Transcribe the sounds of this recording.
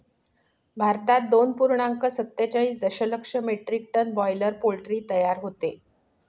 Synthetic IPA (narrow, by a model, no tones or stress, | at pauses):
bʱaɾt̪at̪̚d̪onpuɾɳaŋkəsət̪ːjət͡ɕəiːt͡sd̪əɕələkʂəmeʈɾik̚ʈənbɔjləɾpolʈɾiːt̪əjaɾɦot̪e